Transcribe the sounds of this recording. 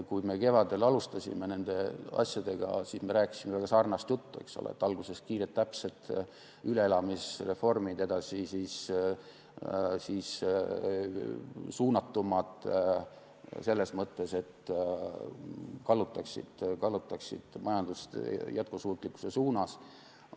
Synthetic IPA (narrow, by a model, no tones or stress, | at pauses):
kujme̞ke̞vɑd̪e̞lɑlust̪ɑsʲḭme̞ne̞nd̪̥e̞ɑ̰sʲjɑd̪̥e̞ɡ̥ɑ̰sisme̞ɾæːkːˑi̥simevæɡ̥ɑsɑːrnɑst̪jut̪ːue̞̰kso̞̰lḛḛt̪ːˑɑlɡuse̞skiːɾet̪ːæpse̞t̪ˑ | yle̞elɑmisre̞fo̞rmid̪e̞d̪ɑsʲisis | siːs | suːnɑt̪ːumɑt̪ | se̞lːe̞smɤt̪ːe̞se̞t̪ː | kɑlːut̪ːˑɑksḭd̪̥kɑlːut̪ːˑɑksḭd̪̥mɑjɑnd̪ust̪jæt̪̚kusuːt̪ːˑlikːˑu̥se̞suːnɑs